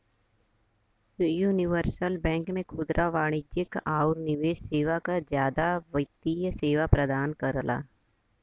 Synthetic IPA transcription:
juːnɪʋəɾsəlbɛ̃ːŋkmẽkʰʊd̪ɾʔaʋaːɽ̃ɪd͡ʒɪkaːʊɾnɪʋeːʃseːʋakad͡ʒjaːd̪aʋət̪ijəseːʋapɾəd̪aːnkəɾla̰ː

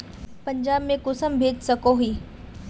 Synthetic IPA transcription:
pɐ̃ɲd͡ʒaːbmẽkʊsəmbʱeːd͡ʒsɐkoɦiː

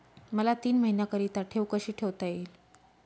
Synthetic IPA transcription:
məlat̪iːnməɦinjakəɾiːt̪aʈʰewkəɕiːʈʰeʋt̪ajel

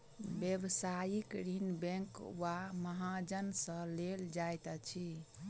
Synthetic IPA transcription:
bjebsajikɾinbẽŋkwaməɦãd͡ʒənsə̃leld͡ʒajt̪ət͡ʃʰi

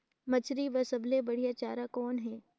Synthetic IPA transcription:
mɐt͡ʃʰɾiʋɐsɐblebɐɽijat͡ʃaːɾakɔːnɦɛː

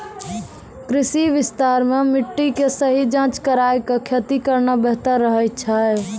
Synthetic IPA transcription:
kɾisiʋist̪aɾmemiʈːikesəɦid͡ʒãt͡ʃkəɾajkekʰet̪ikəɾnabeɦt̪əɾːəɦəj̚t͡ʃʰa

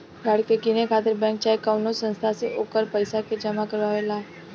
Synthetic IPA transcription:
ɡaɽkekinekʰat̪əɾbɛ̃ŋk̚t͡ɕaekəʋnosə̃ñst̪ʰaseʔokəɾpəjsaked͡ʑəmakəɾʋaʋela

